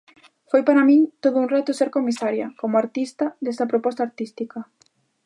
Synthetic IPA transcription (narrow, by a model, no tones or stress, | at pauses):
fojpaɾamĩŋt̪oðʊunrat̪ʊseɾkomisaɾjɐ̰komʊaɾt̪ist̪ɐd̪est̪ɐpɾopɔst̪aːɾt̪ist̪ikɐ